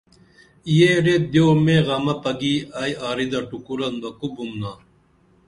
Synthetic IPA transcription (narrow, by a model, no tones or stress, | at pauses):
ijeɾet̚d̪joːmẽːɣɐmɐpɐɡiːaːjaːɾid̪ɐʈukuɾɐnbɐkubumnaː